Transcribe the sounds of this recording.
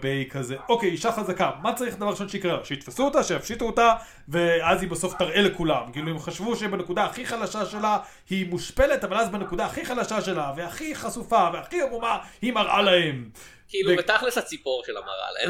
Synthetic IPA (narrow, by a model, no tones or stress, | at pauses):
bejkʰazeʔokejiʃaχazakamːat͡saʁiχd̪avaʁiʃo̞nʃeikʁeaʃeit̪fasuot̪aʃejafʃit̪uota | veazhibeso̞ft̪aʁʔelekulamkiiːluemχaʃvuʃebene̞kud̪aːχiχalaʃaʃela | himuʃpe̞let̪abalazbenekud̪aːχiχalaʃaʃelaveaχiχasufaveaχiamumahimaʁa̰lahem | kiiluebet̪aχlesat͡sipo̞ʁʃela̰ma̰ʁa̰la̰e